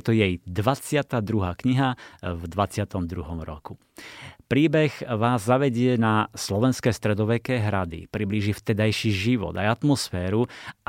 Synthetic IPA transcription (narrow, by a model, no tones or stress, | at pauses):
t̪ɔjɛjd̪ʋat͡sɪat̪aːd̪ɾuɦaːkɲiɦavd̪ʋat͡sɪat̪ɔmd̪ɾuɦɔmɾɔ̰ku | pɾiːbɛɣʋaːzːaʋɛɟɪɛnaslɔʋɛnskɛst̪ɾɛd̪ɔʋɛkɛɦɾad̪ḭpɾibliʒift̪ɛd̪ajʃiʒiʋɔ̰d̪ajat̪mɔsfɛːɾu